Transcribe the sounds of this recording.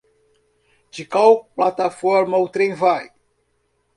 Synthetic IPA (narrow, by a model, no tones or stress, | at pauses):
d͡ʒɪkawplat̪afɔɾmɐut̪ɾẽj̃vaj